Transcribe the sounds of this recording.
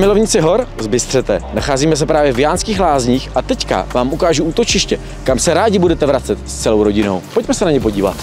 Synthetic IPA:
mɪlo̞vɲɪt͡sɪɦo̞ɾzbɪst̪r̥ɛt̪ɛnaxaːziːmɛs̬ɛpɾaːvjɛvjaːnskiːxlaːzɲiːxʔat̪ɛcka̰vaːmʔukaːʒuʔuːt̪o̞t͡ʃɪʃcɛ | kamsɛɾaːɟɪbudɛt̪ɛvɾat͡sɛt̪st͡sɛlo̞wɾo̞ɟɪno̞̰wpo̞cmɛsɛnaɲɛpo̞ɟiːva̰t̪

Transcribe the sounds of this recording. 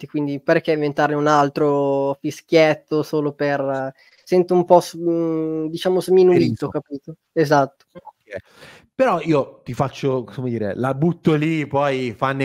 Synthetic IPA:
t̪ikwind̪iperkɛĩɱvent̪aɾneunalt̪ɾofisk̟jɛt̪ːosoːloper | sɛnt̪oumpɔz | d̪it͡ʃaːmozminuiːt̪okapiːt̪o | ezat̪ːo̥okɛ | peɾɔiːot̪ifat͡ʃːokkomed̪iːɾḛlabut̪ːolipɔjfanːe

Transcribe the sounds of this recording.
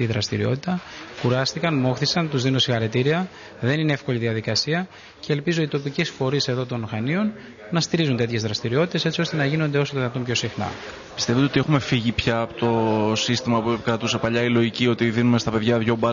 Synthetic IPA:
iðɾɐst̪iɾio̞̰t̪it̪ɐkuɾɐst̪ikɐnmo̞xθisɐnt̪uzðino̞sixɐɾet̪iɾiɐ | ðe̞nineefko̞liðiɐðikɐsiɐ | ce̞ːlpizo̞it̪o̞picesfo̞ɾise̞ðo̞t̪o̞nxɐnio̞nː | ɐst̪iɾizunt̪e̞t̪çe̞zðɾɐst̪iɾio̞t̪i̥t̪ese̞t͡ssio̞st̪e̞nɐʝinond̪e̞o̞sot̪ðinɐt̪ompço̞sixnɐ̰ | pi̥st̪evd̪eot̪exume̞fiʝipçɐːpot̪o̞sist̪imɐpuepkɾɐt̪use̞pɐʎɐilo̞ʝicio̞t̪iðinume̞st̪ɐpe̞ðʝɐðʝo̞bɐ

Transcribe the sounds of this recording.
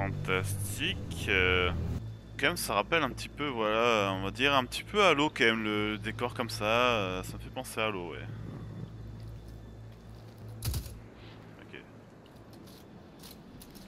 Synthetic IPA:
fɑ̃t̪ast̪ikø | kɑɛmsaʁapɛlɛ̃pət̪ʰipøvwalaøɔ̃vad̪iʁɛ̃pət̪i̥pøalokɑɛmlələd̪ekɔʁkɔmsaøsaməfɛpɑ̃sealowɛ̰ | ɔ̰kʲḛ

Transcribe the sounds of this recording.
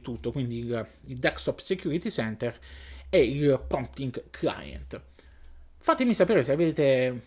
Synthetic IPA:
t̪ut̪ːokwind̪ilild̪akst̪ɔpsek̟juɾit̪isɛnt̪eɾeilpɾɔmpt̪iŋɡkʰla̰jḛnt̪ | fat̪ːemisapeːɾeseaved̪eːt̪e

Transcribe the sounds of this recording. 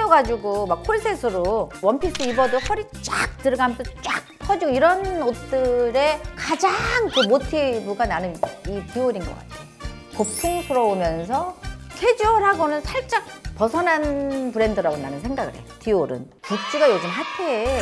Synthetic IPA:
ʌɡad͡ʑuɡomakkʰoɭsʰesʰɯɾowʌnpʰis͈ʰɯibʌdohʌɾi | t͡ɕ͈a̰k̚tɯɭɡamtot͡ɕ͈ak̚pʰʌd͡ʑiɡoiɾʌnot͈ɯɾe̞kad͡ʑaŋkɯmotʰibuɡananɯnitioɾinɡʌk͈a̰tʰe̥joo | kopʰuŋsʰoɾʌomjʌns̬ʰʌkʰe̞d͡ʑiwʌɾɦaɡonɯnsʰaɭt͡ɕ͈ak̚pʌsʰʌnɦanpɯɾe̞ndɯɾaɡonanɯnsʰeŋɡaɡɯɾɦe̞̰jotioɾɯ̰n | kuk̚t͡ɕ͈iɡajod͡ʑɯmɦatʰe

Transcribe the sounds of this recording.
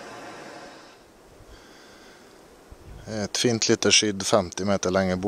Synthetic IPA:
ɛt̪fiːnt̪liːt̪əʃʏd̪fɛmt̪ɪmeːt̪əɭɛŋəb

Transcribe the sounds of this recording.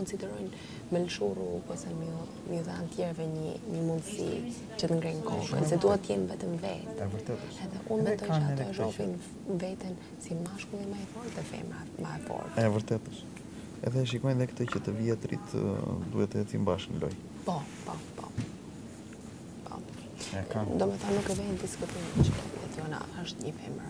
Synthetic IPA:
kɔnsid̪ɛɾɔjn | mɛlʃurupɔsɛmə | mjuðant̪jɛɾvɛɲəɲəmund̪sḭ | t͡ʃət̪əŋɡɾɛjnkɔʃkə̰nsɛd̪uhɛt̪ːəjɛnvɛt̪əmvɛ̰t̪ɛvəɾt̪ɛt̪əʃɛðɛʔund̪ɛt̪ɔaɔɾɔpin | vɛt̪ɛn | simaʃkuɛmajfɔɾt̪ɛfɛ̰ma | maɛpɔ̰ɾɛvəɾt̪ɛt̪ə̥ʃ | ɛ̰ðɛʃ̬ikɔjnðɛkə̥t̪əcət̪əviɛt̪ɾḭt̪d̪uhɛt̪ːəɛt̪imbaʃnlɔ̰j | pɔpɔpɔ̰ | pɔ̰ | ɛd̪ɔmɛθanːukɛvɛnd̪iskut̪imt͡ʃt̪ɛ̰t̪iɛ̰t̪ɔna̰əʃt̪ɲəfɛ̰məɾ

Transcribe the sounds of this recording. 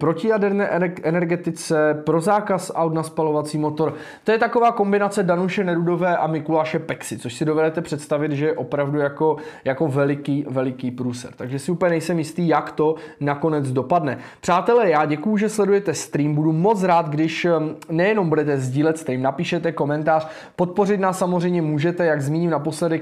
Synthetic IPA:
pɾo̞cɪjadɛɾnɛːʔʔɛnɛɾɡɛt̪ɪt͡sɛpɾo̞zaːkasʔawt̪naspalo̞vat͡siːmo̞t̪o̞ɾ | t̪o̞jɛt̪akovaːko̞mbɪnat͡sɛdanuʃɛnɛɾudo̞vɛːʔamɪkulaːʃɛpɛksɪt͡soʃsɪdo̞vɛdɛt̪ɛpr̥ɛt̪st̪avɪt̪ʒɛjɛʔo̞pɾavdujako̞jako̞vɛlɪkiːvɛlɪkiːpɾuːsɛ̰ɾt̪aɡʒɛsɪupəɲɛnɛjsɛmjɪst̪iːjakt̪o̞nako̞nɛd͡zdo̞padnɛpr̥aːt̪ɛlɛːjaːɟɛkujuʒɛslɛdujɛt̪ɛst̪ɾiːmbudumo̞t͡sɾaːt̪ɡdɪʃnɛjɛno̞mbudɛt̪ɛzɟiːlɛt̪st̪ɾiːmnapiːʃɛt̪ɛko̞mɛnt̪aːr̝̥ | pot̪̚po̞rɪt̪naːsːamozr̝ɛjmɲɛmuːʒɛt̪ɛjaɡzmiːɲɪmnapo̞slɛdɛk

